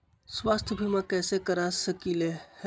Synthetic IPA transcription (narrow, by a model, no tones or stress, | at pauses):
sʋaːst̪ʰjbʱimãkɛːsekəɾasəkiːleh